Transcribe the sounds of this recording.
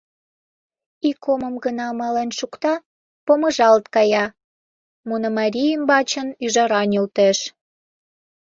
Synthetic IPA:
ikʰːoməmɡənɑmɑlenʃukt̪ɑ | poməʒɑlt̪kɑjɑ | munŏmɑɾʲijəmbɑt͡ɕənyʒɑɾɑnylt̪eʃ

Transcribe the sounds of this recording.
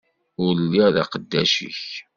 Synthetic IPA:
ʊɾlːiʁða̰qəd̪ːæʃḭç

